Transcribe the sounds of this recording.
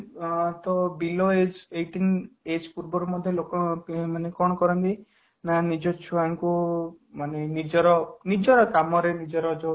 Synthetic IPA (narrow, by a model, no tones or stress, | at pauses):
t̪ɔbiloed͡ʒeʈined͡ʒpuɾbɔɾumɔd̪ʱjɔlokɔmanekɔɽ̃ɔkɔɾɔnt̪i | nanid͡ʒɔt͡ʃʰuaŋku | manenid͡ʒɔɾɔnid͡ʒɔɾɔt̪amɔɾenid͡ʒɔɾɔd͡ʒɔ